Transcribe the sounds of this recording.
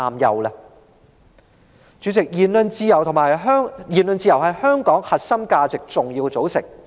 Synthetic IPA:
aː˨mjɐ̰˨˩wlɛ˧ | t͡ʃyː˨˧˥t͡sɪ˨k̚jiː˨˩nlɵ˨˧nt͡siː˧jɐ˨˩wt̪ʰʊ˨˩ŋmaː˨˩jœː˥ŋjiː˨˩nlɵ˨˧nt͡siː˧jɐ˨˩wɦɐ˨jhœː˥ŋkɔː˨˥ŋhɐ˨t̚sɐ˥mkaː˧t͡sɪ˨k̚t͡sʊ˨ŋjiː˧wt͡so˨˥wsɪ̰˨˩ŋ̚

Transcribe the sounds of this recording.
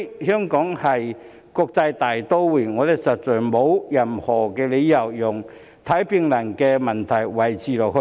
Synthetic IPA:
hœː˥ŋkɔː˨˥ŋhɐ˨j | kɔː˧k̚t͡sɐ˧jt̪aː˨jt̪o˥wwuː˨˩ŋɔː˨˧t̪ɪ˨˩sɐ˨t̚t͡sœː˨˩jmo˨˧wjɐ˨˩mhɔː˨˩kɛː˧le˨˧jjɐ˨˩wjʊ˨˩ŋ | t̪ʰɐ˨˥jpi˧ŋlɐ˨˩ŋkɛː˧mɐ˨˩nt̪ʰɐ˨˩jwɐ˨jt͡sʰiː˨lɔː˨˩k̚hɵ˧

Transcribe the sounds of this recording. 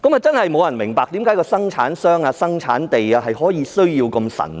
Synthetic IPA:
kɐ˨˥maː˨t͡sɐ˥nhɐ˨jmo˨˧wjɐ˨˩nmɪ˨˩ŋpaː˨k̚t̪iː˨˥mkaː˨˥jkɔː˧sɐ˥ŋt͡ʃʰa̰ː˨˥nsœː˥ŋaː˧sɐ˥ŋt͡sʰa̰ː˨˥nt̪e˨jaː˧ɦɐ˨jɦɔː˨˥jiː˨˧sɵ˥ɥjiː˧wkɐ˧msɐ̰˨˩n

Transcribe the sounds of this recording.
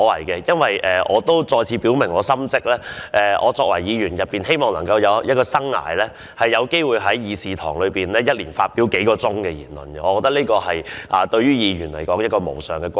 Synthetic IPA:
ɔ˨˧wɐ̰˨˩jkɛ˧jɐ˥nwɐ˨jʔɛː˨˩ʔɔ̰ː˨˧t̪o˥wt͡sɔː˧jt͡sʰiː˨˧piː˨˥wmɪ˨˩ŋɔː˨˧sɐ˥mt͡sɪ˥k̚lɛː˥ʔɛ˨ʔɔ̰ː˨˧t͡sɔː˧k̚wɐ̰˨˩jiː˨˧ɥyː˨˩njɐ˨t̚pːiː˨˩nhe˥jmɔː˨ŋlɐ˨˩ŋkɐ˧wjɐ˨˧wjɐ˥t̚kɔː˧sɐ˥ŋːa̰ː˨˩jlɛː˥ | hɐ˨jːɐ˨˧wke˥jwuː˨jɦɐ˨˥jjiː˨˧siː˨t̪ʰɔ̰ː˨˩ŋlɵ˨˧piː˨nlɛː˥jɐ˥t̚liː˨˩nfaː˧t̚piː˨˥wke˨˥jkɔː˧t͡sʊ˥ŋkɛː˧jḭː˨˩nlə̰˨nɛ˧ɔː˨˧kɔː˧kt̪ɐ˥k̚niː˥kɔː˧hɐ˨jʔaː˨t̪ɵ˧ɥyː˥jiː˨˧ɥyː˨˩nlɐ˨˩jkɔː˨˥ŋjɐ˥t̚kɔː˧mo̰˨˩wsœː˨ŋkɛː˧kʷ

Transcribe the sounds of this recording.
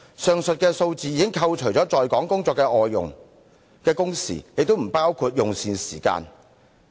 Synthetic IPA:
sœː˨˧ŋsɵ˨t̚kɛː˧so˧wt͡siː˨jiː˧kɪ˥ŋkʰɐ˧wt͡ʃʰɵ˨˩ɥt͡sɔː˨˥t͡sɔː˨jkɔː˨˥ŋkʊ˥ŋt͡sɔː˧kːɛː˧ʔɔː˨jːʊ̰˨ŋ | kɛː˧kʊ˥ŋsḭː˨˩jɪ˨k̚t̪o˥m̩˨˩paː˥wkʰuː˧t̚jʊ˨ŋsiː˨nsiː˨˩ka̰ː˧n

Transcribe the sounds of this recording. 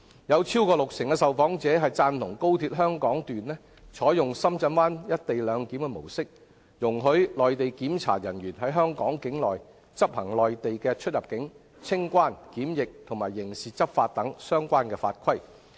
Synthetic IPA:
jɐ˨˧wt͡sʰiː˥wkɔː˧lʊ˨k̚sɪ˨˩ŋkɛ˧sɐ˨wfɔː˨˥ŋt͡sɛː˨˥ɦɐ˨jt͡saː˧nt̪ʰʊ˨˩ŋko˥wt̪ʰiː˧t̚ɦœː˥ŋkɔː˨˥ŋt̪yː˨nlɛː˥ | t͡sʰɔː˨˥jʊ˨ŋsɐ˥mt͡sɐ˧nwaː˥njɐ˥t̚t̪e˨jlœː˨˧ŋki˨˥mkɛ˧mo˨˩wsɪ˥k̚ | jʊ˨˩ŋɦɵ˨˥ɥlɔː˨jt̪e˨jkiː˨˥mt͡sʰa̰ː˨˩jɐ˨˩nɥyː˨˩nɦɐ˨˥jɦœː˥ŋkɔː˨˥ŋkɪ˨˥ŋlɔː˨˩j | t͡sɐ˥p̚hɐ˨˩ŋlɔː˨jt̪e˨jkɛː˧t͡ʃʰɵ˥t̚jɐ˨p̚kɪ˨˥ŋ | t͡sʰɪ˥ŋkʷaː˥˩nkiː˨˥mjɪ˨k̚t̪ʰʊ˨˩maː˨˩jːɪ˨˩ŋsiː˨t͡sɐ˥p̚faː˧t̚t̪ɐ˨˥ŋsœː˥ŋkʷaː˥nkɛː˧fa̰ː˧t̚kʰɐ˥j

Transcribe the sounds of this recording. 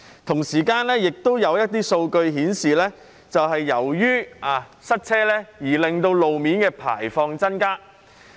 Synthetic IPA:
t̪ʰʊ˨˩ŋsiː˨˩kaː˧nlɛː˥jɪ˨k̚t̪o˥wjɐ˨˧wjɐ˥t̚t̪iː˥so˧wkɵ˧ɥɦiː˨˥nsiː˨lɛː˥ | t͡sɐ˨whɐ˨jːɐ˨˩wjyː˥aː˨˧ | sɐ˥t̚t͡sʰɛː˥lɛː˥jiː˨˩lɪ˨ŋt̪o˧wlo˨wmiː˨˥nkɛː˧pʰa̰ː˨˩jfɔː˧ŋt͡sɐ˥nkaː˥

